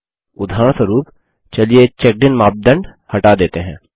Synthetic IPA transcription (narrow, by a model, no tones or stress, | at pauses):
ʊd̪ʱaːɾəɳ̃səɾuːp | t͡ʃɐlijet͡ʃɛk̚ɖɪnmaːb̚d̪ə̃ɳɖ | hɐʈad̪eːt̪eɦɛ̰̃ː